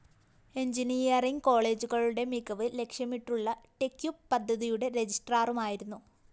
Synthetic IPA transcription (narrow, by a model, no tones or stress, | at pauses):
e̞ɲd͡ʑiniːjɐriŋɡko̞ːɭe̞ːd͡ʑuɣɐɭuɽe̞mikːɐʋɨle̞kʂjɐmiʈːuɭːɐʈekːjuppːɐd̪ʱːɐðijuɽe̞ɾed͡ʑisʈraːrumaːjiɾunːu